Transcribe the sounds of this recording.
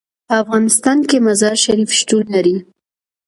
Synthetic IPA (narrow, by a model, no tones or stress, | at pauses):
pəafɣɑnɪst̪ɑnkemazɑɾʃaɾifʃʈulːaɾi